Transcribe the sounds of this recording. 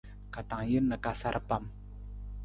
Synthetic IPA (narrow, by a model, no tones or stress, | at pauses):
kat̪aŋjənːəkasaɾʔəpam